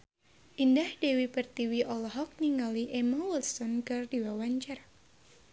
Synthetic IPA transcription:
ʔindahdewipərt̪iwiʔɔlɔɦɔk̚niŋaliʔɛmawɛlsɔnkɨrdiwawaɲt͡ʃar

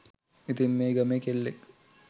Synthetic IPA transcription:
it̪imːeːɡɐmeːkelːek

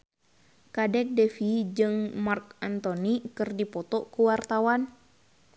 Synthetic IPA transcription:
kadɛk̚dɛfid͡ʒɨŋmark̚ant̪ɔnikɨrdipɔt̪ɔkuwart̪awan

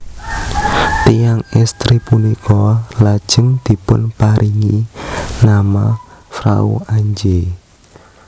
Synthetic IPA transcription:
t̪ijaŋɛst̪ɾipunikɔlad̥ʒ̥əŋd̪̥i̤pʊnpaɾʔiŋinamafɾa̰ṵaɲd͡ʒe

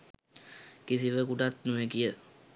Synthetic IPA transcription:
kisiʋəkuʈat̪nuʋekijə

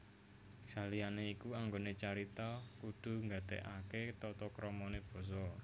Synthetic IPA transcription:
salijaneikuaŋɡonet͡ʃaɾit̪akud̪̥ṳŋɡa̤d̪̥ɛ̰ʔaket̪ɔt̪ɔkɾɔmɔneb̥ɔ̤s̬ɔ

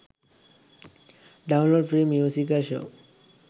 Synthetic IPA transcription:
ɖaũnloɖfɾemjusikalʃo̰w

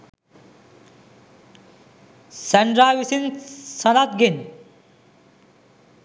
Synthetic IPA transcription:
sɛɳɖɾaːʋisinsɐnat̪̚ɡin

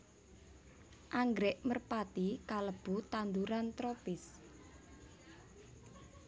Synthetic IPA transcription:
ʔaŋɡɾɛʔmərpat̪ikaləb̥ut̪and̪uɾant̪ɾopɪs

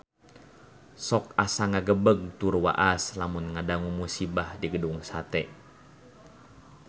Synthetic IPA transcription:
sɔk̚asaŋaɡəbəɡ̚t̪urwa̰ʔaslamunŋadaŋumusibahdiɡəduŋsat̪ɛ

